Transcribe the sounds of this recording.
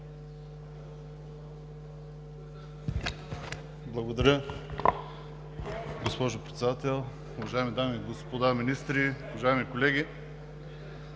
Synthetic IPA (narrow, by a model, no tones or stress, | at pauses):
blˠɐɡod̪ɐɾʲə | ɡospɔʒopɾɛt̪sɛd̪at̪ɛlˠ | ʊvɐʒaɛmid̪amiɡospod̪aminist̪ɾiʊvɐʒaɛmikolɛɡʲi